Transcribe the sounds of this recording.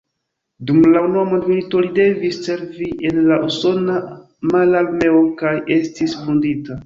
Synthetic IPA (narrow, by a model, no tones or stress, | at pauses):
dumlaunuamo̞ndmilito̞lide̞visːe̞ɾviʔe̞nlaʔuso̞na | malalme̞okaje̞stisfundita